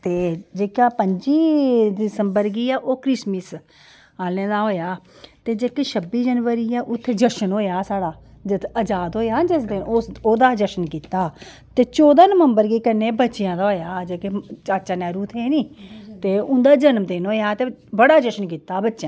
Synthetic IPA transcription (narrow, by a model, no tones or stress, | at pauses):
t̪eːd͡ʒeːkaːpəɲd͡ʒiːd̪ɪsəmbəɾɡiːaːʔoːkɾɪsmis | aːlẽːd̪aːɦoːjaː | t̪eːd͡ʒeːkeʃəbiːd͡ʒənʋəɾiːaːʔʊt̪ʰːeːd͡ʒəʃənoːjaːsaːɽaː | d͡ʒɪt̪ʰəd͡ʒaːd̪ɦoːjaːd͡ʒɪsd̪enoːsoːd̪aːd͡ʒəʃənkiːt̪ːaː | t̪eːt͡ʃoːd̪aːnəməmbəɾɡiːkənːeːbətːʃɪjãːd̪aːɦoːjaːd͡ʒeːket͡ʃaːt͡ʃaːnɛːɾuːt̪ʰeːniːt̪eːʊnd̪aːd͡ʒənmt̪eːnɦoːjaːt̪eːbəɽaːd͡ʒəʃənk̬iːt̪ːaːbətːʃjãː